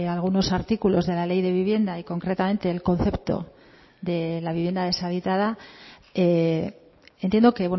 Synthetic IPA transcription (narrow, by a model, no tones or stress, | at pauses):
alɣ̞uno̞saɾt̪ikulo̞zðe̞lale̞jðe̞βiβje̞nd̪aiko̞ŋkɾe̞t̪ame̞nt̪e̞ːlko̞n̟θe̞pt̪o̞̰ | ðe̞laβiβje̞nd̪aðe̞saβit̪aða | e | ent̪jend̪o̞ke̞βwe